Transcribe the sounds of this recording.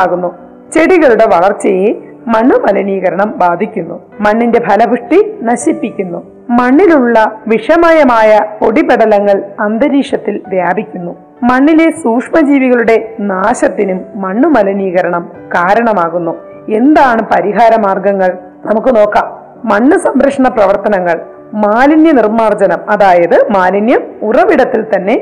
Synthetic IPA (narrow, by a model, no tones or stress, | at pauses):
aːɣunːu | t͡ɕe̞ɽiɣɐɭuɽe̞ʋɐɭɐrt͡ɕːɐje | mɐɳːumɐlɐniːɣɐɾɐɳɐmbaːd̪ʱikʲːunːu | mɐɳːinde̞bʱɐlɐbʱɨʂʈinɐɕipːikʲːunːu | mɐɳːiluɭːɐʋiʂɐmaːjɐmaːjɐpo̞ɽibeɽɐlɐŋːɐɭɐnd̪ɐɾiːʂɐt̪ːilʋjaːbʱikʲːunːu | mɐɳːile̞suːkʂmɐd͡ʑiːʋiɣɐɭuɽe̞naːɕɐt̪ːinumːɐɳːumɐlɐniːɣɐɾɐɳɐm | kaːɾɐɳɐmaːɣunːu | e̞nd̪aːɳɨpɐɾiɦaːɾɐmaːrɡɐŋːɐɭ | nɐmukːɨno̞ːkːɐm | mɐɳːusɐmbɾɐkʂɐɳɐprɐʋɐrt̪ɐnɐŋːɐɭ | maːlinjɐnirmaːrd͡ʑɐnɐmɐðaːjɐðɨmaːlinjɐmurɐʋiɽɐt̪ːilt̪ɐnːe̞